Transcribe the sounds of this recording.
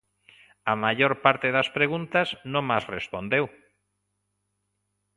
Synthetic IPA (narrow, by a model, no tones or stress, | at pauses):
amaʎoɾpaɾt̪eðaspɾeɣunt̪aznõŋmasrespõnd̪ew